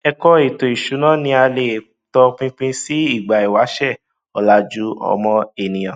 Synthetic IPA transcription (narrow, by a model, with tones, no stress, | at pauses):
ɛ˧kɔ˦e˨to˨i˨ʃu˨˦nã˦˨nĩ˧a˧le˨ | tɔ˧k͡pĩ˦k͡pĩ˦si˦i˦˨ɡ͡ba˨i˨wa˨˦ʃɛ˦˨ | ɔ˨la˧˦d͡ʒu˦ɔ̰˧mɔ̃˧e˨nĩ˨j̃ã˨